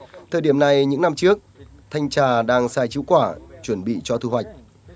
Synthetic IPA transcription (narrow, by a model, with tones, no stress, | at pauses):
t̪ʰəː˨˩jɗi˧˩əmna˨˩jɲɨ̰˧˥ŋna˧mt͡ɕɨ˦˥ək̚ | t̪ʰa˧jŋ̟t͡ɕaː˧˩ɗaː˧ŋsaː˧jt͡ɕḭ˧˥wkwaː˧˩t͡ɕwə˧˩nɓḭ˧˨t͡ɕɔ˧t̪ʰu˧ɦwa˨˩jk̟̚